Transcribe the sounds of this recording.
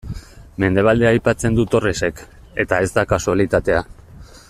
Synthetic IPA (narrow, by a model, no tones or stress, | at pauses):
me̞nd̪e̞β̞ald̪eaːjpat͡se̞nd̪ut̪o̞rese̞k | e̞t̪ae̞zd̪akasoalit̪at̪e̞a